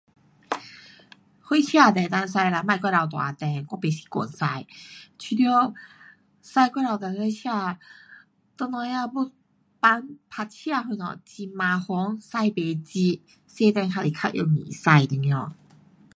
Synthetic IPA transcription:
hwe˥˦t͡ɕʰja˥˧t̪ɛ˨˩t̪a˧ns̬a˧jla˧mã˧jkwa˥˧la˧˩t̪̬wa̰˨˩t̪ɛ˨˩kwɔ˧˨pe˨˩si̥˧˦kɔ̰˨˩˨nsa˧jt͡ɕʰi˧d̪jɔ˧˦ | sa˥˧jkwa˥la˧˩wt̪ɛ˧nhwe˥˧t͡ɕʰja˥˧ | t̪ɔ˧nɔ˧ja˧bu˥ | pa˧˦ŋpʰa˧t͡ɕʰja˥˧˨ɦu˧nɔ̰˨˩t͡ɕi˧mã˧hɔ˧˦ŋsa˥˧jpe˨˩t͡ɕi˧ | se˥˧t̪ɛ˧nkʰa˧li˨˩kʰa˧˥ʔjo̰˧ŋḭ̃˨˩sa˧jt̪i˧ŋ˧ɔ˧˩

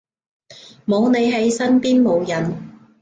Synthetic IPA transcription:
mo˨˧wne˨˧jɦe˧jsɐ˥npiː˥nmo˨˧wjɐ˨n

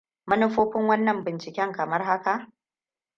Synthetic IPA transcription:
mɐ˦nʊ˦ɸoː˦ɸɪ˦ŋwɐ˦nːɐ˨mbɪ˨nt͡ʃɪ˨kʲɛ˦ŋkɐ˨mɐ˦rɦa˦ka˨ʔ

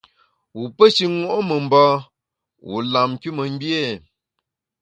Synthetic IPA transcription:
wu˨pə˦ʃi˦ŋo˦˨ʔo˦mə˨m̩˨bɔ˦ | wṵ˨la˨m˨ki˦mə˨ŋ˦bje˦˨

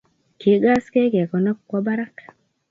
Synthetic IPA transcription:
ki˨ɡa˦ske˦ke˨kɔ˨nɔ˦kkɔ˦ba˦ɾa˦k

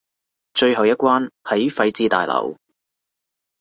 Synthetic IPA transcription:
t͡ʃɵ˧ɥɦɐ˨wjɐ˥kʷwaː˥nhɐ˨˥jfɐ˧jt͡siː˧t̪a̰ː˨˩jlɐ̰˨˩w

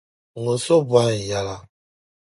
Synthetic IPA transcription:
ŋo˨so˦bwa˦˨ja˨la˦

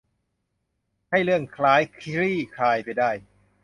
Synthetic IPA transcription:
ha˥˩jlɯ˥˩əŋkʰlaː˦˥jkʰi˧˥ɾiː˥˩kʰaː˧jpa˧jdaː˥˩j

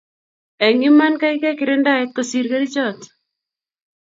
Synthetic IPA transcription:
ɛ˨ŋɪ˦ma˦nka˦ɪkɛ˦kɪ˨ɾɛ˦nda˦ɛt̪̚kosiɾka˦ɾi˦t͡ʃɔt̪

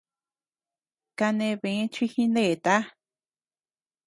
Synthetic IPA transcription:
ka˧nẽ˧βẽ˧˦t͡ʃi˦hĩ˧ne˦˧˨t̪a˦

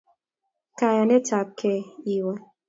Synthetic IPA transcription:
ka˨ja˨nɛ˦t͡ʃa˨p̚kʰɛ˦i˨wa˦

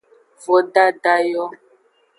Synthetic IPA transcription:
vɔ˨ɖa˦da˦jɔ˦

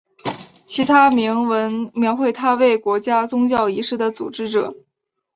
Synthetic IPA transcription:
t͡ɕʰi˧˥t̪ʰa˥mi˧˥ŋwə˧˥nmjɑ˧˥ʊxwe˥˧ɪt̪ʰa˥we˥˩ɪkwɔ˧˥t͡ɕja˥t͡sʊ˥ŋt͡ɕjɑ˥˩ʊi˧˥ʂɻ̩˥˩d̪ə˨t͡sṵ˨˩ʈ͡ʂɻ̩˥ʈ͡ʂɤ˨˩˦

